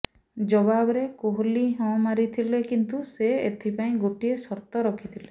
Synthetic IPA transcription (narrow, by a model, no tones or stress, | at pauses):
d͡ʒɔbabɔɾekoɦliɦɔ̃maɾit̪ʰilekint̪useet̪ʰipaĩɡoʈiesɔɾt̪ɔɾɔkʰit̪ʰile